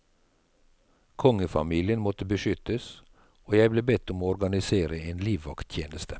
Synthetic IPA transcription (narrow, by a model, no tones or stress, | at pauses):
kʰɔŋəfɑ̰miːlɪənmɔt̪əbəʃʏt̪əs | oːjæɪbleːbɛt̪ːʊmoːɔɾɡɑnɪseːɾəeːnliːʋːɑ̰kt̪ʰjeːnəst̪ʰə